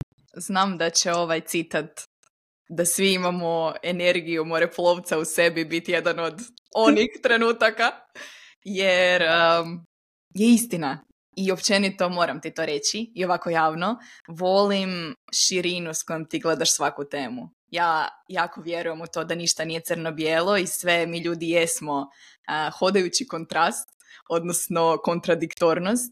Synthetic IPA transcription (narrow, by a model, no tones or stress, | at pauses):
znaːmd̪at͡ɕeo̞ʋajt̪sit̪at̪ | d̪asʋiimamoe̞ne̞ɾɡijumoɾepulˠoʋt̪sause̞bibit̪je̞d̪ano̞d̪o̞nixt̪ɾe̞nuːt̪aka | jeɾ | jeist̪ina | io̞pt͡ʃe̞nit̪o̞mo̞ːɾamt̪it̪o̞ɾe̞t͡ɕiːo̞ʋako̞jaːʋno̞ʋo̞limʃiɾinusko̞jomt̪iɡle̞d̪aʃsʋakut̪eːmu | jaːjaːko̞ʋje̞ɾuje̞mut̪o̞ːd̪aniʃt̪anije̞t̪sərnobjelˠo̞isʋe̞miːʎuːd̪ijesmo | əxo̞d̪ajut͡ɕiko̞nt̪ɾast̪o̞d̪nosno̞ko̞nt̪ɾad̪ikt̪oɾnost̪